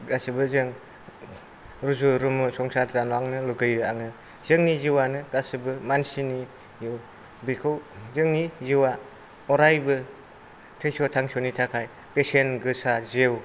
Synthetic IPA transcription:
ɡasɯbɯzɯŋ | ɾuzuɾumɯsɔŋsatzanaŋnɯluɡɯjɾɯaŋɯ | z̥ɯŋniziwanɯɡasɯbɯmansini | jɯw | bikʰɯwzɯŋniziwa | ɔɾajbɯ | tʰesotʰaŋsonitʰakʰaj | pesenɡɯsazew

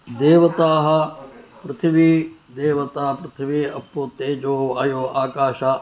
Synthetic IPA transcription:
d̪eːʋɐt̪aːɦɐpɾɪt̪ʰiʋid̪eːʋɐt̪aːpɾɐt̪ʰiʋiɐpːot̪eːd͡ʒoːɐjoːaːkaːʃa

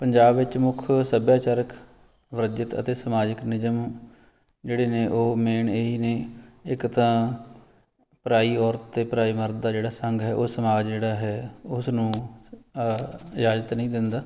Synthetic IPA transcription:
pəɲd͡ʒaːbʋɪt͡ʃmʊkʰsəbjaːt͡ʃaːɾək | ʋɾəd͡ʒɪt̪ə̰t̪eːsəmaːd͡ʒəknɪzəm | d͡ʒeːɽeːneːʔoːmeːɳeɦiːneːɪkt̪ãː | pɾaːiːɔːɾt̪t̪eːpɾaːiːməɾt̪̚d̪aːd͡ʒeːɽaːsəŋɡɦɛːʔoːsəmaːd͡ʒd͡ʒeːɽaːɦɛːʊsnũː | ɪd͡ʒaːd͡ʒət̪nəĩːd̪ɪnd̪aː

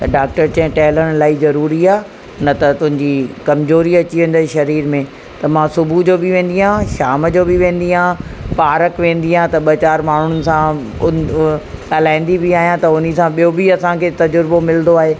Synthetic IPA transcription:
t̪ɐɖaːk̚ʈəɾt͡ɕɐ̃ɦɪ̃ʈɛːləɽ̃laːizɐɾuːɾiaː | nɐt̪ɐt̪ʊ̃ɦɪ̃ɲd͡ʑikɐmzoːɾiɐt͡ɕiʋẽːn̆d̪aːiʃɐɾiːɾmẽ | t̪ɐmãsʊbʱud͡ʑoːbɪʋẽːn̆d̪iɦãːʃaːməd͡ʑoːbɪʋẽːn̆d̪iɦãːpaːɾəkʋẽːnd̪iɦãːt̪ɐɓɐt͡ɕaːɾmaːɳ̤ʊʊnɪ̆sãʊ | ɐlaːɪ̃nd̪ibɪaːɦijãt̪ɐʊnisãɓijobɪɐsãkʰeːt̪ɐd͡ʑʊɾbomɪlnd̪oaːɦeː

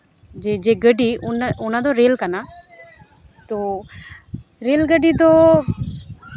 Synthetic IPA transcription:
d͡ʒed͡ʒeːɡəɖiʊnʊnãd̪oɾeːlkana | t̪oː | ɾeːlɡəɖid̪oː

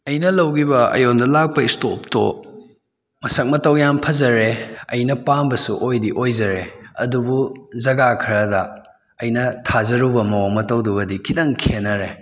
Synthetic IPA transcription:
ɐjnɐlɐwɡibɐɐ̰jondɐlak̚pɐistop̚to̰ | mɐsɐk̚mɐtɐwjampʰɐzɐɾeɐ̰jnɐpambɐsuʔojdiʔojzɐɾeɐ̰dubuzɐɡakʰɾɐdɐ | ɐjnɐtʰazɐɾubɐmɐwaŋmɐtɐwdubɐdikʰidɐŋkʰenːɐɾe

